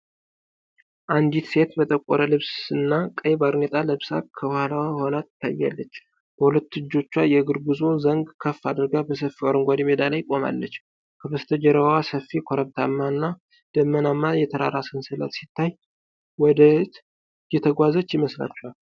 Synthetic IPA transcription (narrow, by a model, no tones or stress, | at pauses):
ʔand̪it̪se̞t̪bət̪ʼəkʷʼoɾəlɨβsɨnːakʼəjbaɾnet̪ʼaləβsa̰kʰəbhlawaho̞nat̪ːt̪ʰːajːa̰lːət͡ʃː | b̥əhulət̪ːɨd͡ʒːo̞t͡ʃːajɛɡɨɾɡɨzozəŋɡkʰəfːad̪ɨɾɡabəsəfːioɾɨŋɡʷad̪imed̪alajkʼo̞ma̰lːət͡ʃː | kʰəbəst̪ʰəd͡ʒəɾəwasəfːikʰoɾəβt̪ʰamːaɨnːa | d̪̥əmːənamːajɛt̪ʰəɾa̰ɾasɨnsɨlə̰t̪sit̪ʰːaj | wɔd̪ət̪ | jɛt̪ʰəɡʷazət͡ʃːjɪməsla̰t͡ʃːal